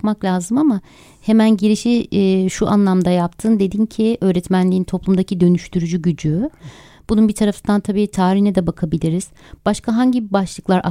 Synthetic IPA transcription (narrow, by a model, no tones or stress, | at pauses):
kmaklʲaːzɯmama | he̞mænɟiɾiʃiʃuʔanlˠamd̪ajapt̪ʰɯnd̪e̞d̪incʰiø̞ːɾɛt̪mænlʲiːint̪ʰo̞plˠumd̪acʰid̪ø̞nyʃt̪ʰyɾyd͡ʒyɟyd͡ʒy | b̥ununbit̪ʰaɾafɯnd̪ant̪ʰabiːt̪ʰaːɾihnɛd̪ɛbakʰabilʲiɾiz̥ | b̥aʃkʰaɦaɲɟibaʃlˠɯklˠaɾʔa̰